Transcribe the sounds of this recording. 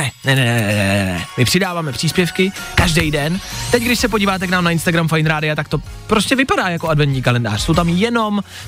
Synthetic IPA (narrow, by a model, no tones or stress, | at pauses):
nɛnɛnɛnɛɛnɛ̰nɛnɛ̰mɪpr̝̥ɪdaːvaːmɛpr̥iːspjɛfkɪkaʒdɛjdɛnt̪ɛcɡdɪʃsɛpo̞ɟiːvaːt̪ɛknaːmnaɪnst̪aɡɾamfajnɾaːdɪat̪akt̪o̞ | pɾoscɛvɪpadaːjakoadvɛnt̪ɲiːkalɛnda̰ːr̥sowt̪amjɛno̞m